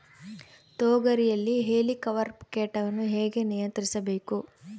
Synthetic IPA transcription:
t̪oːɡɐɾijɐlːiɦeːlikɐʋɐɾpkeːʈɐʋɐnːuɦeːɡe̞nijɐnt̪ɐɾisɐbe̞ːku

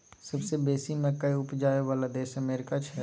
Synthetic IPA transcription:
sɐbsebeːsimẽkɐiʊpd͡ʒaːeʋaːlad̪eːʃɐmɛːɾɪkat͡ʃʰɛ

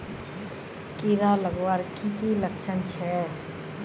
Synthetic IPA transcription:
kiɾaləɡwaɾkit̪iləkt͡ʃʰənt͡ʃʰɛ

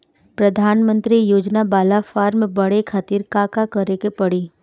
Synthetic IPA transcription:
pɾɐd̪ʱaːnmə̃nt̪ɾijoːd͡ʒnabaːlafaːɾmẽbɐɽekʰaːt̪iːɾkaːkakəɾekepɐɽiː

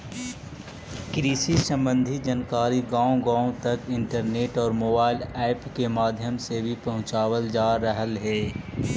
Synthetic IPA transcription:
kɾiːsisɐ̃mbə̃nd̪ʱid͡ʒɐnkaːɾiɡãːõɡãːõt̪ɐkɪ̃ɳʈəɾneːʈɔːɾmoːbaːɪlɛːpkemaːd̪ʱjəmsebʱipɐɦʊ̃t͡ʃaːwəld͡ʒaːɾəɦəlɦɛː

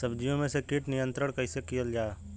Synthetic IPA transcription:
sɐbd͡ʒijõmẽsekiʈnɪjə̃nt̪ɾəɽ̃kɐɪsekijəld͡ʒaː

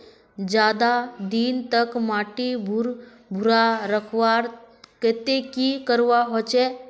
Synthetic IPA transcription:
d͡ʑad̪ad̪iːnt̪əkmaʈibʱuɾ | bʱuɾaɾəkʰʋaɾ | ket̪ekikəɾʋaɦot͡ʃe

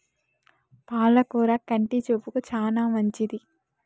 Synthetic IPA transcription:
paːlɐkuːɾakɐɳʈit͡ʃopːukut͡ʃaːnaːmɐɲt͡ʃid̪i

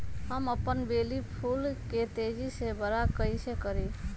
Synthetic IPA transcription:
ɦəməpənbeːlipʰuːlket̪eːd͡ʒisebəɾakəisekəɾi

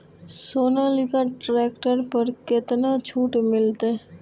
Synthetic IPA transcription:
soːnalɪkaʈɾɛːkʈəɾpəɾkɪt̪nat͡ʃʰuːʈmɪlt̪e

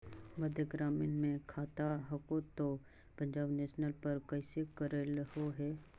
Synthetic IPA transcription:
məd̪ʱjəɡɾaːmiːnmẽkʰaːt̪aɦɐkot̪o | pɐ̃ɲd͡ʒaːbneːʃnəlpɐɾkɛːsekəɾelɦoɦɛː

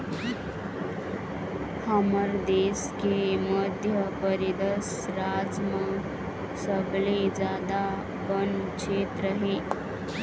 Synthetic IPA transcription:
haməɾd̪eːskeməd̪ʱjəpəɾid̪əs | ɾaːd͡ʒma | səɡled͡ʒjaːd̪a | bənkt͡ʃʰeːt̪ɾəɦeː

